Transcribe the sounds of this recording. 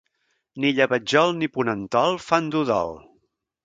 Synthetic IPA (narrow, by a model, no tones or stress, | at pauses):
niʎəβəd͡ʒɔlˠnipunənt̪ɔlˠfand̪uðɔ̰lˠ